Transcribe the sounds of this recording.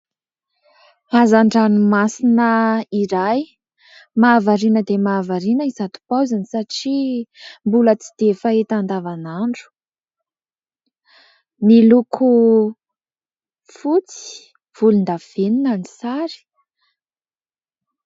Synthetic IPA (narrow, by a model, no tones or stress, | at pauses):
azaɳɖ͡ʐanumasinəiɾaj | maːvaɾinəd̪emaːvaɾinəizat̪u̥pawzanisaʈ͡ʂimbulət͡si̥d̪̥efaet̪and̪avanaɳɖ͡ʐu̥ | nilukʰu | fut͡si̥ | v̥ulund̪av̥eninanisaɾi̥